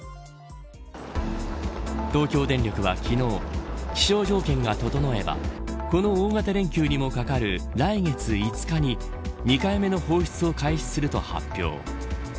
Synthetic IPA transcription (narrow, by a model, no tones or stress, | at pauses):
t̪o̞ːkʲo̞ːd̪ẽ̞nɾʲjo̞kɯ̟βakʲino̞ːkʲi̥ɕo̞ːʑo̞ːkẽ̞ŋɡat̪o̞t̪o̞noe̞ba̰ko̞no̞ːŋat̪aɾẽ̞ŋkʲɨːɲ̟imo̞kakaɾɯ̟ɾaiŋe̞t͡sɨit͡sɨ̥kaɲ̟i | ɲ̟ikaime̞no̞ho̞ːçi̥t͡sɨo̞kaiç̥t͡si̥sɨɾɯ̟t̪o̞̰ha̰pʲːjo̞̰ː